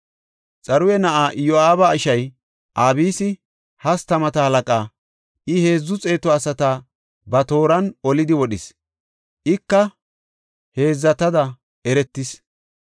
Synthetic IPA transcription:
t͡sʼɐɾʊjɛnɐʔaːʔjɔaːbɐɪʃɐj | ʔaːbiːsɪ | hɐst̪ɐmɐt̪ɐhɐlɐkʼaː | ʔɪhe̞ːzːʊt͡sʼe̞ːt̪ɔɐsɐt̪aː | bɐt̪o̞ːɾɐnɔlɪd̪ɪwɔɗɪs | ʔɪkːɐ | he̞ːzːɐt̪ɐd̪ɐ | ɛɾɛt̪ːɪs

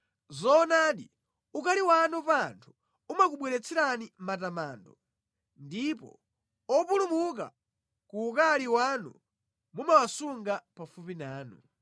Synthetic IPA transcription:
zɔːnaɗḭ | ukaliwanupantʰu̥ | umak̬uɓwɛɾɛt͡sʰɛɾanimatamaːndɔ | ndipɔ̰ | ɔpulumuk̬a̰ | kuːkaliwanṵ | mumawasuŋɡapafupinaːnṵ

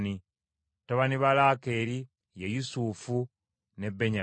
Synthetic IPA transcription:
ni | toβaniβalaːke̞ɾi | jejusuːfu | ne̞bːeɲa

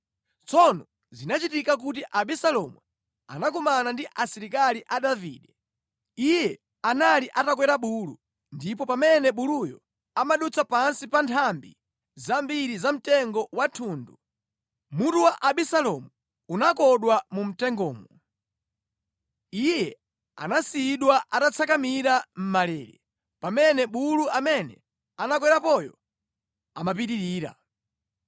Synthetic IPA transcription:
t͡sʰɔnɔ | zinat͡ʃitikak̬utiʔaɓisalɔmu | a̰nak̬umanandiʔasiɾikaliʔaɗavḭːɗɛ | ijɛ | analiʔatakwɛɾaɓuːlu | ndip̬ɔpamɛnɛɓulujɔ̰ | amaɗut͡sʰapansipantʰambḭ | zambiɾizam̩tɛŋɡɔwatʰuːndṵ | mutuwaʔaɓisalɔmu | unakɔɗwamum̩tɛŋɡɔːmu | ijɛ | a̰nasiɗwaʔatat͡sʰakamiɾam̩malɛːɾɛ̰ | pamɛnɛɓuluʔamɛnɛ̰ | anak̬wɛɾapɔjɔ̰ | amap̬itiɾiːɾa̰

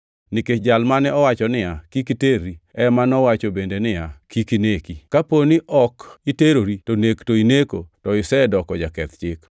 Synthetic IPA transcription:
nɪket͡ʃd͡ʒalmanɛɔwat͡ʃɔnɪjakikiteɾːiɛmanɔwat͡ʃobendenɪjakʰikinekikaponiʔɔkiteɾoɾitonektoinekotɔɪsɛdɔkɔd͡ʒakɛt̪t͡ʃɪk

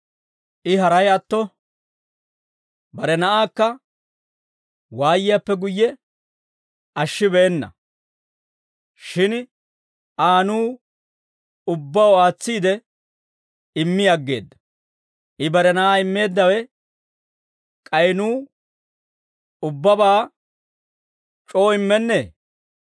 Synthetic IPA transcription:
ʔɪɦɐɾɐjɐt̪ːɔ | bɐɾɛnɐʔaːkːɐ | waːjɪjɐpːɛɡʊjːɛ | ɐʃːɪbɛːnːɐ̰ | ʃɪn | ʔaːnuː | ʊbːɐwaːt͡sːiːd̪ɛ | ɪmːɪjɐɡːe̞̰ːd̪ːɐ̥ | ʔɪbɐɾɛnɐʔaːɪmːe̞ːd̪ːɐwɛ | kʼɐjnuː | ʊbːɐbaː | t͡ʃʼo̞ːɪmːɛnːeː

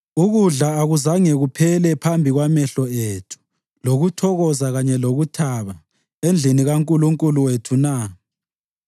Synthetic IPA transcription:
uɣuɮaːɣuzaŋɛɣupʰɛlɛpʰambʱiɣwamɛɬɔetʰu̥ | loɣutʰɔɣɔzaɣaɲɛloɣutʰaβa | end͡ɮʱiniɣaŋkʼuluŋkʼuluwetʰuna

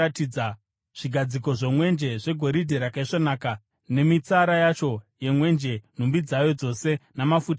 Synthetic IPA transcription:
atiːd͡za | ʐ̥iɡʱad͡ziko̞ʐemwe̞nd͡ʒe̞ʐe̞ɡʱo̞ɾidʱeɾakaiʂonaːka | ne̞mit͡saɾajat͡ʃo̞je̞mwe̞nd͡ʒen̤umbid͡zajo̞d͡zo̞se̞namafut

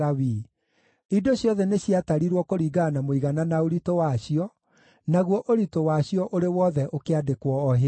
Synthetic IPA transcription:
awi | idoɕjɔðɛneɕiataɾiɾwɔkoɾiɡanamoiɣananaoɾitowaɕiɔ | naɣwɔʔoɾitowaɕiɔʔoɾewɔðɛʔokeadekwɔːɦe

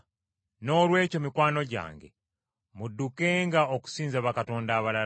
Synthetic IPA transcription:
no̞lwe̞ːco̞mikwaːno̞ɟa̰ːŋɡḛ | mudːukeŋɡaoku̥siːnzaβakato̞ːndaːβala

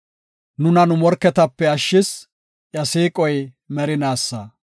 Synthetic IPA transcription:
nʊnɐnʊmɔɾkːɛt̪ɐpːɛɐʃːɪs | ʔjɐsiːkʼɔj | mɛɾɪnaːsːɐ

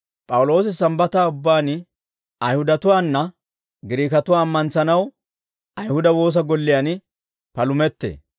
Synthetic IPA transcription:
pʼɐwʊlo̞ːs̬ɪsɐmbɐt̪aːʊbːaːn | ɐjhʊd̪ɐt̪ʊwaːnːɐ | ɡɪɾiːkɐt̪ʊwaːmːɐnsɐnɐw | ɐjhʊd̪ɐwo̞ːs̬ɐɡɔlːɪjan | pɐlʊmɛt̪ːḛː

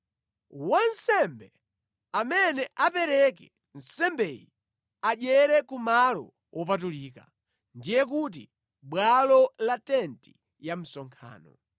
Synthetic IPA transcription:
wansɛmbɛ | amɛnɛʔapɛɾɛkɛ | n̩sɛmbɛji | aʄɛɾɛkumalɔ̰ | wʔɔp̬atuliːka | ndijɛk̬ut̬i | ɓwalɔlatɛnti̥ | jam̩sɔŋkʰa̰ːnɔ̰

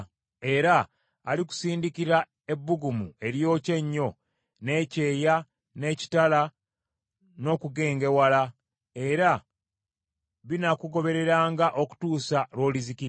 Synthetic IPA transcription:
e̞ɾaː | liku̥siːndikiɾa | e̞bːuɡumue̞ɾjo̞ːce̞ɲːo̞ | ne̞ːce̞ːja | ne̞ːci̥tala | no̞ːkuɡe̞ːŋɡe̞wala | e̞ɾa | βinakuɡo̞βe̞ɾe̞ɾaːŋɡaʔo̞ku̥tuːsalo̞ːliziki

